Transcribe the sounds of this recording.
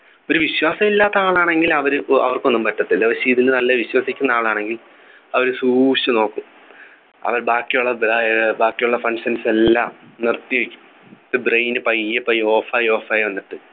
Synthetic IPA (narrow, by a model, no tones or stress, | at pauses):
o̞ɾuʋiɕwaːsɐmilːaːt̪ːɐaːɭaːɳe̞ŋɡilɐʋɐɾuɐ̰ʋɐrko̞nːumpɐtːɐt̪ːilːɐʋɐɕiːðilnɐlːɐʋiɕwɐsikʲːunːɐaːɭaːɳe̞ŋɡil | ɐʋɐɾɨsuːɕɐno̞ːkːum | ɐ̰ʋɐɾbaːkːijuɭːɐbabaːkːijuɭːɐfɐɳʂɐnselːa̰ːmnirt̪ːijiʋekʲːu̥m | t̪ːɨbrejnɨpɐjːɐpːɐjoːfaːjoːfɐjonːɐt̪ːɨ